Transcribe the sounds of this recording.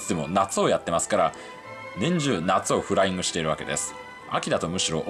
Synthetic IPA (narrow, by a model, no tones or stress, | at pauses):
t͡sɨd̪e̞mo̞nat͡sɨo̞jat̪ːe̞masɨ̥kaɾa | nẽ̞ɲ̟d͡ʑɨːnat͡sɨo̞ɸɯ̟ɾaĩŋɡɯ̟ɕi̥t̪e̞iɾɯ̟βake̞d̪e̞̰sɨ̥ | a̰kʲid̪at̪o̞mɯ̟ɕiɾo̞ʔ